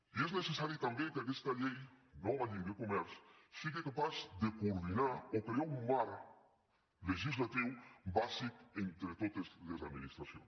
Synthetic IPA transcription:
ieznesesaɾjot̪ambjẽŋkakest̪aʎejnõanĩŋɡekomɛɾssikekapazd̪ekoɾðinaɾokajaũmmaɾ | leʒizlat̪iwbazikent̪ɾet̪ot̪ezlezad̪minist̪ɾasjõ̰n

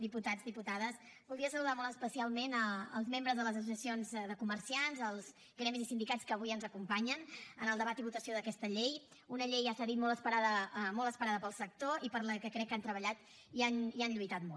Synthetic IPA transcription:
d̪iput̪ad͡zðiput̪að̞əs | bulˠd̪ɾiəsəluðamɔlˠt̪̬əspəsialˠmenəːlˠzmembɾəzðələzəs̬usiəsionzðəkuməɾsianzəlˠz | ɡɾɛmizisind̪ikat͡skəβujənzəkumpaɲənənəlˠd̪əβ̞at̪iβut̪əsioðəkɛst̪əʎej | unəʎejasəðit̪mɔlˠt̪əspəɾaðəmɔlˠt̪əspəɾaðəpəlˠsək̚t̪oipəɾləkəkɾɛkːant̪ɾəβəʎat̪ | ianianʎujt̪at̪mɔ

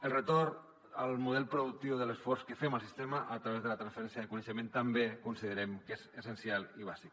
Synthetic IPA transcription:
əlˠrət̪orn | əlˠmuðɛlˠpɾuðuk̚t̪iwðələsfɔrskəfɛməlˠsist̪ɛməʔət̪ɾəβezðələt̪ɾansfəɾɛnsjəðəkunəʃəmẽnt̪əmbekunsiðəɾɛmkezəsənsialˠiβ̞azik

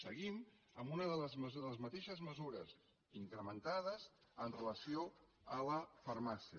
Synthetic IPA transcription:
səɣim | əmunəðələzməzðələzmət̪eʃəzməzuɾəz | iŋkɾəmənt̪aðəzənrələsio | ələfəɾmasiə

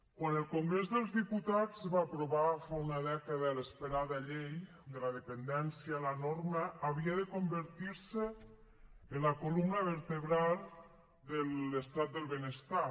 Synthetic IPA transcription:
kwanəlˠkoŋɡɾezðəlˠzðiput̪ad͡zβaːpɾoβafɔunaðɛkaðələspəɾaðaʎej | d̪əlaðepənd̪ɛnsjialanoɾməːβ̞iaðəkombəɾt̪iɾsəː | nlakolumnəβəɾt̪əβɾalˠ | d̪ələst̪at̪̚d̪əlˠβenəst̪a

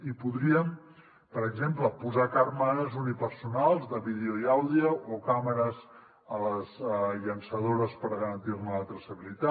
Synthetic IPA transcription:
ipuðɾiəm | pəɾəɡzempləpuzakarməɾəzunipəɾsunalˠzðəβið̞eoiawðiəʔokaməɾəz | ələzʎənsəð̞oɾəspəɾɣəɾənt̪irnəət̪ɾəsəβilit̪a

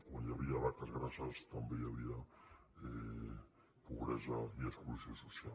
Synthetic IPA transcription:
aɲaβiaβaɾk̪azɣɾasast̪ambejaβiða | e | puβɾezaieskulusiososja

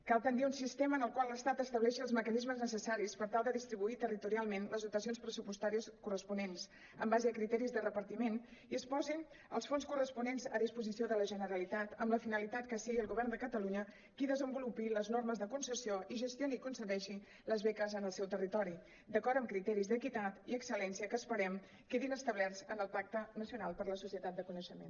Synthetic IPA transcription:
kalˠt̪ənd̪iunsist̪eməːnəlˠkwaləst̪at̪əst̪əβlɛʃiəlˠzməkənizməznəsəsaɾispəɾt̪alˠd̪əðist̪ɾiβuit̪ərit̪uɾialˠmenləzðut̪əsionspɾəsupust̪aɾiəskurəspunens | əmbazəəkɾit̪ɛɾizðərəpəɾt̪imeniəspɔzin | ə̰lˠsfonskurəspunenzəðispuzisioðələʒənəɾəlit̪at̪əmləfinəlit̪at̪̚kəsiɣiəlˠɣuβ̞ɛrnd̪əkət̪əluɲə | kiðəzəmbulupiləznorməzðəkunsəsioʔiʒəst̪jionikunsəðɛʃi | ləzβɛkəzənəlˠsɛwt̪ərit̪ɔɾi | d̪əkɔɾt̪əmkɾit̪ɛɾizðəkit̪at̪iəksəlɛnsiəkəːspəɾɛm | keðinəst̪əβlɛrzənəlˠpak̚t̪ənəsiunalˠpəɾləsusiət̪at̪̚d̪əkunəʃəmḛn

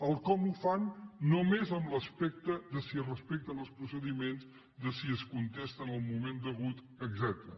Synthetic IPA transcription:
əlˠkɔmufanːomezəmləspɛk̚t̪əðəsirəspek̚t̪ənəlˠspɾusəðimenz | d̪əsiəskunt̪ɛst̪ənəlˠmumend̪əɣut̪ | əɡzɛt̪ɾə

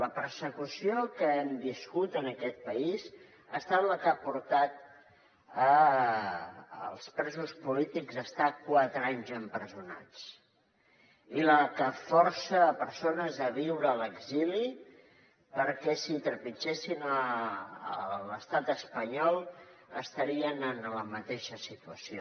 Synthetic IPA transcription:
ləpəɾsəkusiokəɛmbiskut̪ənəkɛt̪̚pəiz | əst̪at̪ləkapuɾt̪at̪̚ | ə | ə̰lˠspɾɛzuspulit̪iɡzəst̪akwat̪ɾaɲzəmpɾəzuna̰t͡s | iləkəfɔɾsəːpəɾsonəzəβiwɾəːləɡzili | pəɾkɛsit̪ɾəpit͡ʃesinə | ələst̪at̪əspəɲɔlˠəst̪əɾiənənləmət̪eʃəsit̪uəsio

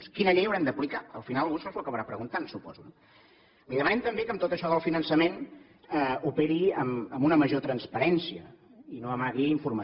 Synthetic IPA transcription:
skinəʎejəwɾɛmd̪əplikaəlˠfinalˠɣunsozəəkəβəɾapɾəɣunt̪ansupɔ̰zun | liðəmənɛmt̪əmbekəmt̪ot̪əʃɔðəlˠfinənsəmen | ɛupɛɾiəməmunəməʒot̪ɾənspəɾɛnsiə | inoəmaɣiiɱfurmə

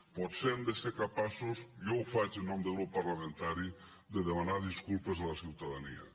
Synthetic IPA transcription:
pɔt̪semd̪eseɾkapasusjowfat͡ʃenːɔmd̪eɣɾupːaɾlamẽnt̪aɾi | d̪eðemanaðiskulpezðəlasiwt̪aðaniɐ̰

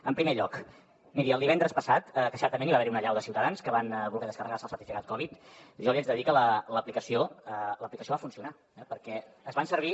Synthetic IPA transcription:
əmpɾimeʎɔk | miɾiəlˠd̪iβɛnd̪ɾəspəsat̪əkəʃɛɾt̪əmeniβaβɛɾiunəʎawðəsiwt̪əðanskəβanβulˠɣɛðəskərəɣasəlˠsəɾt̪ifikat̪̚kɔβ̞it̪ʒɔliazðəðikələləplikəsioələplikəsioβafunsiuna | ɛpəɾkɛ | əzβansəɾβ̞i

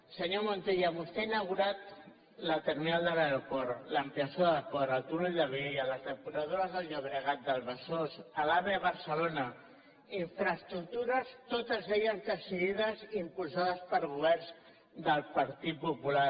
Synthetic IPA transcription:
səɲomont̪eʎəmust̪einəɣuɾat̪ | lət̪əɾminalˠd̪əlaopɔɾləmpiasoðəpɔɾəlˠt̪uɾuʎd̪əβejələzðəpuɾəðoɾəzðəlˠɲəβɾəɣat̪̚d̪əlβəsosəlaβeβəɾsəlonə | iɱfɾəst̪ɾuk̚t̪uɾəst̪ot̪əzðeʎəzðəsiðiðəzimpulsaðəspəɾɣuβ̞ɛrnz | d̪əlˠpəɾt̪it̪̚pupula

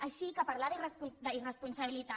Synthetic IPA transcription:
əʃikəpaɾlaðirəspud̪əirəspunsəβilit̪a

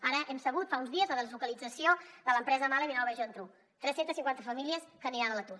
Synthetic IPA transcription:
aɾəʔɛmsəβ̞ut̪faunzðiəzləðəzlukəlid͡zəsioðələmpɾɛzəmaleβinɔwβɛʒənt̪ɾu | t̪ɾɛsent̪əsiŋkwant̪əfəmiliəskəniɾanələt̪u

